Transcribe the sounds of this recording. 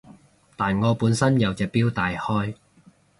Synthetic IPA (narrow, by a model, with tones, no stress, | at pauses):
t̪aː˨nŋɔː˨˧puː˨˥nsɐ˥njɐ˨wt͡sɛː˨˩k̚piː˥wt̪aː˨jhɔː˥j